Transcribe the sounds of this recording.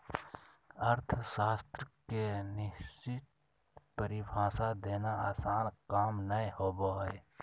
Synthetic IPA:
əɾt̪ʰəsaːst̪ɾəkenɪt͡ʃɪt̪̚ | pəɾibʱaːsad̪eːnaaːsaːnkaːmnəehoːboːe

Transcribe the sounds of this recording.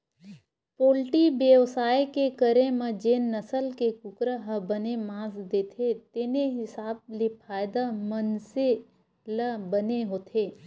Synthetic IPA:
poːlʈibjeʋsaːekekəɾẽmɐ̃d͡ʒeːnːɐsəlkekʊkɾəɦəbənemãːsd̪eːt̪ʰet̪eːneɦɪsaːb̚lepʰaːjd̪amənse | ləbəneɦoːt̪ʰeː

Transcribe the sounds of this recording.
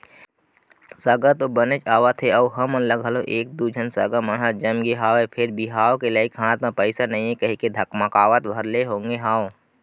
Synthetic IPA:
səɡət̪obənet͡ʃaːʋat̪ʰeɔːɦəmənləɡɦəloʔeːk̚d̪ud͡ʒʱənsə̰ɡəmənɦad͡ʒɐmɡeɦaːwepʰɪɾbʱiɦaːwkelaːikʰɦãːt̪ãpəɪsanɐɦĩɦẽkɐɦiked̪ʱɐkmakaːʋət̪bʱɐɾleɦõːŋɡeɦaːo

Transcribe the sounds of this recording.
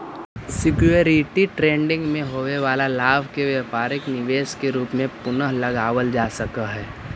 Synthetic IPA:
sɪkjuəɾɪʈiʈɾẽːɳɖɪ̃ŋɡmẽɦoːʋeʋaːlalaːbʱkeʋɛːpaːɾɪknɪʋeːʃkeɾuːpmẽpʊnəɦlɐɡaːʋəld͡ʒaːsɐkaɦɛː

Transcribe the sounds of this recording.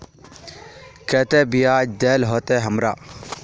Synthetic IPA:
kɛt̪eːbijaːd̪eːlɦoːt̪eɦəmɾa̰ː

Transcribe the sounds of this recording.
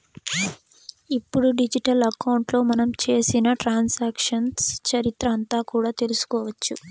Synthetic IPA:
ipːuɽuɖid͡ʒiʈɐlɐkɐwɳʈlo̞ːmɐnɐmt͡ʃe̞ːsinɐʈɾaːnsaːkʂɐnst͡ʃɐɾit̪ɾɐɐnt̪aːkuːɽaːt̪e̞lusu̥kɔːʋɐt͡ʃːu

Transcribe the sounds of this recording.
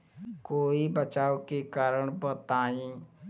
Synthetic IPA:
koːibət͡ʃaːokekaːɾəɳ̃pət̪aːĩː

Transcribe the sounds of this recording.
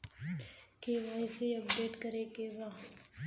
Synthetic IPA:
keʋaːɪseəpɖeːʈkəɾekeːbaː

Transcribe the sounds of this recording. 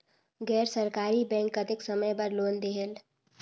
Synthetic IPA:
ɡɛːɾsəɾkaːɾibɛ̃ːŋkːət̪eksəməjpəɾloːnd̪eɦel

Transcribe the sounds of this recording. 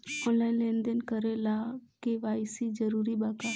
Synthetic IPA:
ɔ̃ːnlaːɪnlẽːnd̪enkəɾelakeʋaːɪsid͡ʒəɾuːɾibaːkaː

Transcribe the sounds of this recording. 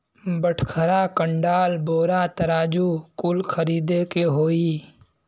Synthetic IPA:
bəʈʰkʰəɾakə̃ɳɖaːlboːɾat̪ɐɾaːd͡ʒukʊlkʰəɾiːd̪ekeɦoːiː

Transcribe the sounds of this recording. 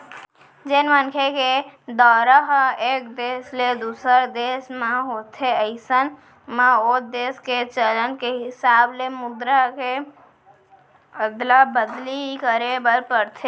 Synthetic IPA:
d͡ʒɪnmənkʰeked̪ɔːɾəɦeːk̚d̪eːsled̪uːsəɾd̪eːsmãɦoːt̪ʰeəɪsən | mãod̪eːsket͡ʃələnkeɦɪsaːblemʊd̪ɾake | bəd̪labəd̪liikəɾebəɾpəɾt̪ʰe

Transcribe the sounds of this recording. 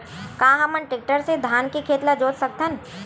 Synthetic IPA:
kaːɦɐmənʈɪk̚ʈəɾsed̪ʱaːnkikʰeːt̪lad͡ʒoːt̪sɐk̚t̪ən

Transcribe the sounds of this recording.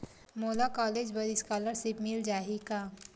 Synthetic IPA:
moːlakɔːleːd͡ʒbəɾiskaːləɾsipmild͡ʒaːɦika

